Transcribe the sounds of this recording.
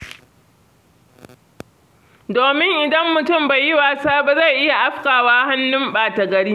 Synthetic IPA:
doː˨mɪ˦ŋʔɪ˨dɐ˦mːʊ˨tʊ˦˨mba˨jɪ˦waː˨saː˦ba˨za˦˨jʔɪ˦ja˨ʔa˦ɸkaː˨waː˦ɦa˦nːʊ˦mɓaː˨ta˨ɡɐ˨ɽiː˦

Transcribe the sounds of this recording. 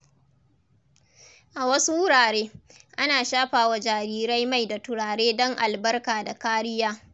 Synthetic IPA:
ʔa˨wɐ˦su˦wʊ˦ɽaː˨ɽeː˦ʔa˦naː˨ʃaː˦ɸaː˨wa˨d͡ʒaː˨ɾiː˦ɾa˦jma˦˨jda˨tʊ˨ɽaː˨ɽeː˦dɔ˦ŋʔa˨lbɐ˦rkaː˨da˨kaː˦ɽɪ˦jaː˦

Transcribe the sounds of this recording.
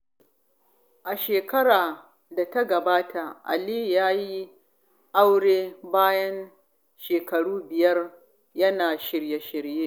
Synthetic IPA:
ʔa˨ʃeː˨kɐ˦ɽaː˨ | da˨ta˦ɡɐ˨baː˦tʰa˨ʔa̰˨liː˦jaː˦ji˦ | ʔa˦wɽeː˦baː˦jɐ˦n | ʃeː˨kɐ˨ɽuː˦bɪ˨jɐ˦r | jɐ˦naː˨ʃɪ˨ɾje˦ʃɪ˨ɾjeː˦

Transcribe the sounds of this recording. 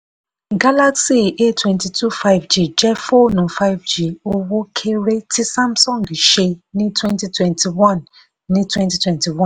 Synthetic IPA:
ɡa˦la˦ksi˦˨ʔe˦˨twɛ̃˦nti˨tʰu˦fa˦ɪvd͡ʒi˦˨d͡ʒɛ˦fɔ˦nɔ̃˨fa˦ɪ˦vd͡ʒi˦˨o˦wo˦kʰe˦ɾe˦ti˦sã˦msɔ̃˦˨ŋɡi˨ʃe˧nĩ˦twɛ̃˦nti˦twɛ̃˦ntʰi˨wã˦˨nː | ĩ˦twɛ̃˦nti˨˦twɛ̃˦nti˨wɔ̃˦˨

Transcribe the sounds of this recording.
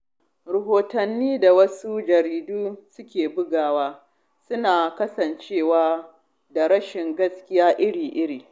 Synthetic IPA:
ɾɐ˨ɦoː˨tɐ˨nːiː˦da˨wɐ˦su˦d͡ʒɐ˨ɾiː˨duː˦sʊ˦kʲeː˨bʊ˦ɡaː˨waː˦ | sʊ˦naː˨kɐ˦sɐ˨nt͡ʃeː˦˨waː˦ | da˨ɽɐ˦ʃɪ˨ŋɡɐ˦skʲɪ˦jaː˦ʔɪ˦ɽiː˨ʔɪ˦ɽiː˨

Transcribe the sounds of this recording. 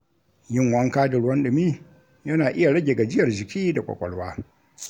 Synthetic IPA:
jɪ˦ŋwɐ˦ŋkaː˦dɪ˨ɽwɔ˦nɗʊ˨miː˦ | jɐ˦naː˨ʔɪ˦ja˨ɽɐ˦ɡʲe˨ɡa˨d͡ʒɪ˦jɐ˨rd͡ʒɪ˨kʲiː˦da˨kʷʼɔ̰˨kʷʼɔ̰˨lwaː˦

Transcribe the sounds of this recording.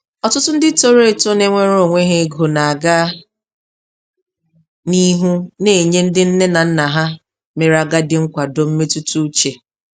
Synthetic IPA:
ɔ˨tʊ˦tʊ˦n̩˦dɪ˦to˦ɾe˦e˦to˦ne˦ŋʷe˦ɾo˨ŋʷe˦ɦe˦ɡo˨na˨a˨ɡa˦ | ni˦ɦu˦ne˨ɲe˦n̩˦dɪ˦n̩˦ne˦na˨n̩˦na˨ɦa˦ | me˨ɾa˨ɡa˦dɪ˦ŋ̩˦kʷa˨do˨m̩˦me˦tu˦tu˦t͡ʃe˨

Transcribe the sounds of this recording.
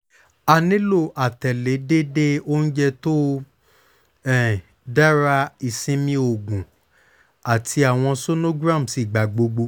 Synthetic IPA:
a˨nĩ˦lo˦˨ʔa˨tɛ˨le˨˦de˦de˦o˦n̩˦d͡ʒɛ˧to˦ | ɛ˦˨ | da˦ɾa˦i˨sĩ˦mĩ˦o˨ɡũ˨ | a˨tʰi˧a˨w̃ɔ̃˧so˦no˦ɡɾã˦˨m˨si˨˦˨ɡ͡ba˨ɡ͡bo˧ɡ͡bo˧

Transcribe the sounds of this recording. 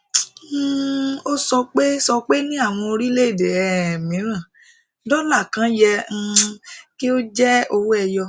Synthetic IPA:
o˦sɔ˧k͡pe˦sɔ˧k͡pe˦nĩ˦a˦˨w̃ɔ̃˧o˧ɾi˦le˦i˦˨de˨ɛ˨mĩ˨˦ɾ̃ã˦˨ | dɔ˦la˦˨kã˨˦jɛ˧˦˧ki˦o˦d͡ʒɛ˦o˧wu˦ɛ˧jɔ˧

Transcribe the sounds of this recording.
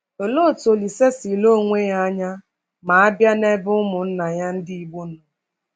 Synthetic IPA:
o˨lo˦˨to˨li˨se˦si˨lo˦˨ŋʷe˦ja˦a˦ɲa˦ | ma˨a˦bja˦ne˦bʊ˦ʊ˦mʊ˨n̩˦na˨ja˦n̩˦dɪ˦i˨ɡ͡bu˦nʊ˨

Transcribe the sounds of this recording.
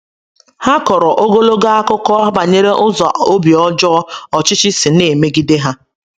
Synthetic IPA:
ha˦kɔ˨ɾɔ˨ʔo˦ɡo˦lo˦ɡa˦a˦kʊ˦kɔ˦ba˨ɲe˦ɾe˦ʔʊ˦zɔ˨o˦bi˨ɔ˦d͡ʒɔ˦ɔ˨t͡ʃɪ˦t͡ʃɪ˦si˨ne˨me˦ɡi˦de˦ɦa˦

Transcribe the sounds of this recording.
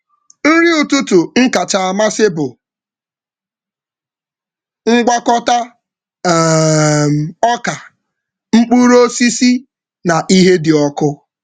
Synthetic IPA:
n̩˦ɾi˦u˨tu˦tu˨ŋ̩˦ka˨t͡ʃa˨a˨ma˦sɪ˦bʊ˨ | ŋ̩˦ɡʷa˦kɔ˦ta˦˨ | ɔ˦ka˨ | ŋ͡m̩˦k͡pu˦ɾo˦si˦si˦ | na˨ʔi˦ɦe˦dɪ˨ɔ˦kʊ˦

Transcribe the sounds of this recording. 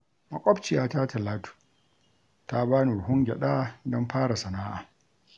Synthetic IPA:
mɐ˨kʷʼɔ˦bt͡ʃɪ˨jaː˦ta˦tɐ˨laː˦tu̥ː˨ | ta˦baː˦ni˨ʊ˨ɦʊ˦ŋɡʲɛ̰˨ɗa˦˨dɔ˦mɸaː˦ɽa˨sɐ˨naː˦ʔa̰ː˨

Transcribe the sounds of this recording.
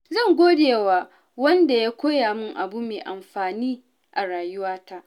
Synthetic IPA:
zɐ˦˨ŋɡʷoː˦deː˨waː˨ | wɐ˦nda˨jaː˦kʷoː˦jaː˨mʊ˦ŋʔa˨bu˦meː˨ʔa˨mɸaː˨niː˦ | ʔa˨ɽaː˨jʊ˦waː˦ta˦ʔ

